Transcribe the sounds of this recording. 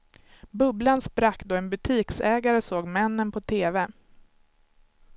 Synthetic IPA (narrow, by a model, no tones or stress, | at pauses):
bɵblanspɾakːd̪oːɛnbɵt̪ʰiːksɛːɡaɾəsoːɡmɛnːənpʰɔt̪ʰeːvɛ